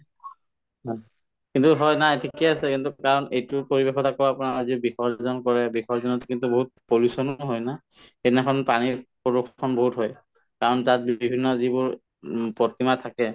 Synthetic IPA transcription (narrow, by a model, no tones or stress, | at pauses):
ɦɔ | kintuɦɔjnaetʰikiasɛkintukaɹɔnejtʊpoɹibexɔtakɔapunaɹazibixɔɹzɔnkɔɹɛbixɔɹzɔnɔtkintuboɦut̚polusɔnʊɦɔjna | ɛnɛkʰɔnpaniɹpɔdukʰːɔnboɦutɦɔj | kaɹɔntat̚bibʱinːɔzibʊɹ | pɹɔtimatʰakɛ